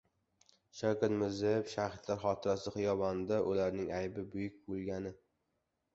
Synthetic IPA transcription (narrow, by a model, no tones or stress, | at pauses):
ʃakʲat̪mɪzɪpʃaχɪt̪ʰlaɾχɒt̪ʰɪɾasɪχɨjɒvɒnd̪aʔʊlaɾnɪŋajbɪbʊjʊk̚ʲbolˠɡʲanɪ